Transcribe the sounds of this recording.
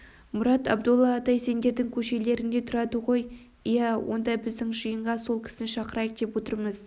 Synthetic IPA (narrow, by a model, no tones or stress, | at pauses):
mʊɾɑt̪ɑ̰b̚d̪olˠːɑːt̪ɑjse̞nd̪e̞ɾd̪ɪŋkʲʰɵʃe̞le̞ɾɪnd̪e̞t̪ʰʊɾɑd̪əʁo̞j | jæwʔo̞̰nd̪ɑbɪzd̪ɪŋʒəjəɴʁɑso̞lˠkʲʰɪ̥sɪnʃɑqəɾɑjəq̚d̪̥e̞pwot̪əɾməz̥